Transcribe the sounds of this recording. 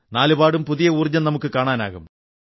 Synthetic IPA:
naːlubaːɽumpuðijɐuːrd͡ʑɐnnɐmukːɨkaːɳaːnaːɣum

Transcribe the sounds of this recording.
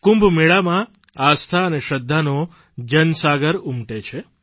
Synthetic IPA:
kũmbʱmiɭamã | ast̪ʰaəneʃəd̪ʱːano | d͡ʒənsaɡəɾumʈet͡ʃʰe

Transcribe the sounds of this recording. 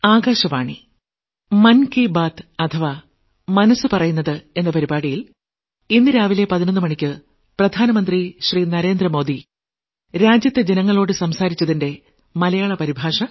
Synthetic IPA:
aːɡaːɕɐʋaːɳi | mɐnkibaːt̪ɐt̪ʰɐʋa | mɐnɐsɨpɐrɐjunːɐðɨe̞nːɐpɐɾibaːɽijil | inːɨɾaːʋile̞pɐðinɐnːɨmɐɳikʲːɨ | prɐd̪ʱaːnɐmɐnd̪riɕriːnɐɾe̞ːnd̪rɐmo̞ːd̪i | ɾaːd͡ʑjɐt̪ːjed͡ʑenɐŋːɐɭo̞ːɽɨsɐmsaːɾit͡ɕːɐðinde̞ | mɐlɐjaːɭɐpɐɾibʱaːʂɐ

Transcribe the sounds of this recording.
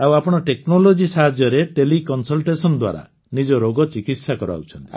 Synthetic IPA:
awapɔɽ̃ɔʈeknolod͡ʒisaɦad͡ʒjɔɾeʈelikɔnsɔlʈesɔnɔd̪wa̰ɾa̰ | nid͡ʒɔɾoɡɔt͡ʃikit̪sakɔɾa̰ut͡ʃʰɔnt̪i

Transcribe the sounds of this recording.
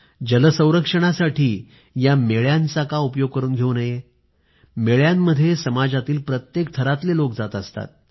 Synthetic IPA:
d͡ʑələsə̃w̃ɾəkʂəɽ̃asaʈʰiː | jameɭjãnt͡sakaupjoɡ̚kəɾuːnɡʱeunəje | meɭjamːəd̪ʱːjesəmad͡zat̪iːlpɾət̪jek̚t̪ʰəɾat̪lelok̚d͡zat̪əst̪a̰t̪̚

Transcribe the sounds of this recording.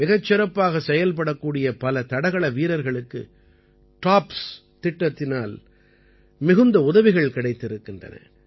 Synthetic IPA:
mɪɣɐt͡ʃːɪɾɐpːaːɣɐsɛjɐlp̬ɐɽɐkːuːɽɪjɐpɐlɐt̪ɐɽɐɣɐɭɐʋiːɾɐɾɣɐɭɯkːɯ̰ | ʈaːps | t̪ɪʈːɐt̪ːɪnaːl | mɪɣɯnd̪ɐʊðɐʋɪɣɐɭkɪɽɐɪt̪ːɪɾɯkːɪndrɐ̰nɐ̰

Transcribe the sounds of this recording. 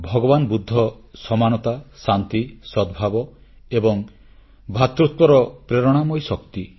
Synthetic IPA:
bʱɔɡɔbanbud̪ʱːɔsɔmanɔt̪asant̪isɔd̪bʱabɔ | ebɔŋ | bʱat̪ɾut̪wɔɾɔpɾeɾɔɽ̃amɔjsɔkt̪i

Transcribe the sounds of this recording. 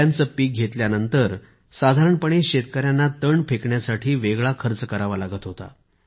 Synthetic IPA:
ant͡səpiːk̚ɡʱet̪ljanənt̪əɾ | sad̪ʱaɾəɳpəɳ̃eɕet̪kəɾjanːat̪əɳɖpʰekɳjasaʈʰiːʋeɡɭakʰəɾt͡səkəɾaʋalaɡət̪ɦot̪a̰

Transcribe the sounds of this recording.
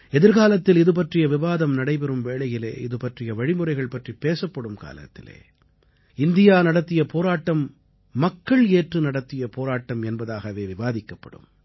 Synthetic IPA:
ɛðɪɾɣaːlɐt̪ːɪlɪðɯp̬ɐʈrɪjɐʋɪʋaːðɐmnɐɽɐɪpɛɾɯmʋeːɭɐjɪlḛːɪðɯpɐʈrɪjɐʋɐɻɪmɯrɐɪɣɐɭpɐʈripeːsɐpːɐɽɯmka̰ːlɐ̰t̪ːɪlḛː | ɪnd̪ɪjaːnɐɽɐt̪ːɪjɐpoːɾaːʈːɐmː | ɐkːɐɭeːʈrɯnɐɽɐt̪ːɪjɐpoːɾaːʈːɐmɛnbɐðaːɣɐʋeːʋɪʋaːðɪkːɐpːɐ̰ɽɯ̰m

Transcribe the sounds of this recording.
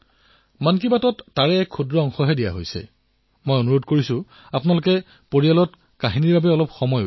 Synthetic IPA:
mankibatɔtːaɹɛːkʰːudɹɔɔŋxɔɦɛdija̰ɦojsɛ̰ | mojonuɹodkoɹisʊ̃ | apʊnalʊkɛ | poɹialɔt | kaɦiniɹbabɛɔlɔpxɔmɔjo

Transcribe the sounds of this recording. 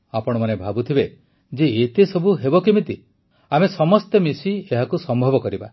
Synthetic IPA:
apɔɽ̃ɔmanebʱabut̪ʰibe | d͡ʒeːt̪esɔbʱuɦebɔkimit̪i | amesɔmɔst̪emisieɦakusɔmbʱɔbɔkɔɾiba̰

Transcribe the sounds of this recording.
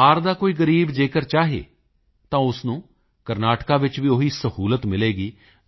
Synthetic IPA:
aːɾd̪aːkoːiːɡəɾiːbd͡ʒeːkəɾt͡ʃaːɦḛː | t̪ãːʊsnũː | kəɾnaːʈkaːʋɪt͡ʃʋiːoɦiːsəhuːlət̪mɪleːɡiː

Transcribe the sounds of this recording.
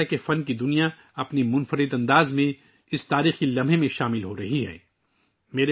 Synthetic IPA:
ɛkefɐnkid̪ʊnija | ɐpnemʊ̃nfəɾɪd̪ɐ̃nd̪aːzmẽ | ɪst̪aːɾiːxkilɐmbʱemẽʃaːmɪlɦoɾɐɦiɦɛ̰ː | meːɾe

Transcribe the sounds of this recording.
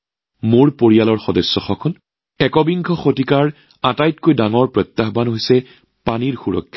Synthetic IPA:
moɹpoɹijalɔɹxɔdɔsːɔxɔkʰɔn | ɛkɔbiŋɡʱɔxotikaɹ | atajtkojdaŋɔɹpɹɔt̪ːaɦbanɦojsɛ | paniɹxuɹɔ̰kʰːḁ

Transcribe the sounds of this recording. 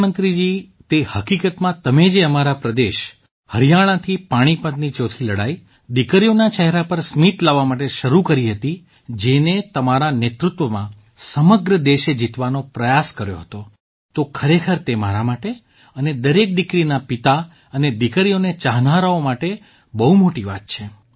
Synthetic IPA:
mənt̪ɾid͡ʒi | t̪ehəkikət̪mãt̪əmed͡ʒeəmaɾapɾəd̪eʃ | həɾjaɽ̃ãt̪ʰipaɽ̃ipət̪nit͡ʃot̪ʰiləɽa̰i | d̪ikəɾjonat͡ʃəɦɛɾapəɾsmit̪laʋːamaʈeʃəɾukəɾiɦət̪i | d͡ʒenet̪əmaɾanet̪ɾʊt̪ʋəmã̰ | səməɡɾəd̪eʃed͡ʒit̪ʋanopɾəjaskəɾjo̰ɦət̪o | t̪okʰəɾekʰəɾt̪emaɾamaʈe | əned̪əɾek̚ɖɪkɾinapit̪a | əned̪ikəɾijonet͡ʃaɦnaɾaomaʈe | bəɦumoʈiʋa̰t̪̚t͡ʃʰe

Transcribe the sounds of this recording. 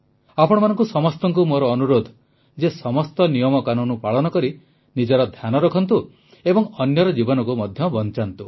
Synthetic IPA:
apɔɽ̃ɔmanɔ̃ŋkusɔmɔst̪ɔŋkumoɾɔːnuɾod̪ʱ | d͡ʒesɔmɔst̪ɔnijɔmɔkanunupaɭɔnɔkɔɾi | nid͡ʒɔɾɔd̪ʱjanɔɾɔkʰɔnt̪u | ebɔŋɔnjɔɾɔd͡ʒibɔnɔkumɔd̪ʱjɔbɔnt͡ʃant̪u

